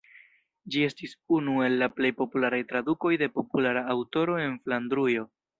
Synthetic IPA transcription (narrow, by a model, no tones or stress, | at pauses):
d͡ʒie̞stisunue̞lːaple̞jpo̞pulaɾajtɾaduko̞jde̞po̞pulaɾaːwto̞ɾo̞e̞nfland̪ɾujo̞